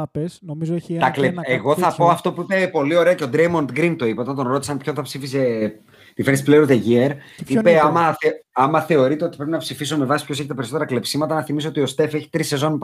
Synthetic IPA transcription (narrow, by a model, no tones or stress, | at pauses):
pesnomizt̪ɐkleeɣo̞θɐpo̞ɐft̪o̞puipe̞po̞lio̞ɾe̞ɐce̞od̪ɾejmo̞nt̪ɡɾint̪o̞ipot̪ɐnt̪o̞nɾo̞t̪isɐnpçonθɐpsifise | t̪ifeɾnispleɾuðeʝieɾipe̞ɐmɐθɐmːɐθe̞o̞ɾit̪e̞o̞t̪i̥pɾepinɐpsifisome̞vɐsi̥pçoseçet̪ɐpeɾiso̞t̪eɾɐkle̞psimɐt̪ɐnɐθimisoot̪io̞st̪e̞fe̞çi̥t̪ɾise̞zo̞np